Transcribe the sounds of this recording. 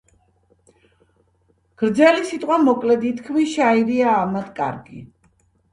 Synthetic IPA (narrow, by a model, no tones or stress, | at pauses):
ɡ̥ɾd̪zɛlisit̪ʼqʼwamɔkʼlɛd̪it̪ʰkʰmiʃaiɾiaːmad̪kʼa̰ɾɡi